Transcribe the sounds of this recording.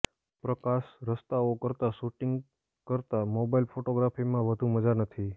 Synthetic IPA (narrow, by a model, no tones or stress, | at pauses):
pɾəkasɾəst̪aokəɾt̪aʃuʈiŋɡ | kəɾt̪amobailfʰoʈoɡɾafimãʋəd̪ʱũməd͡ʒanət̪ʰi